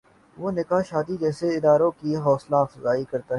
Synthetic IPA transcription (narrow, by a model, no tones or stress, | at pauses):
ʋoːnɪkaʃaːd̪id͡ʒɛːseɪd̪aːɾõkiɦɔːslaːfzaːikɐɾt̪aɦɛɛː